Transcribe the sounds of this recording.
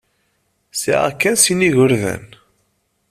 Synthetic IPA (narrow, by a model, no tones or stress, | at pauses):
sḭʕa̰kːænsiniʝʊɾðæ̰n